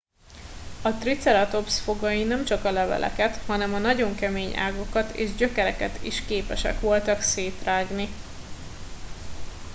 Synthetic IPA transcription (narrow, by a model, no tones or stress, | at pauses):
ɒt̪rit̪sɛɾɒt̪o̞psfo̞ɡɒjinɛmt͡ʃɒkɒlɛvɛ̰lʔɛ̰kɛt̪hɒnɛmɒnɒɟo̞ŋkɛmeːɲa̰ːɡo̞kɒt̪ḛːʒɟø̞kɛɾɛkɛt̪ḭʃkeːpɛʃɛ̰kʋo̞lt̪ɒkseːt̪raːɡni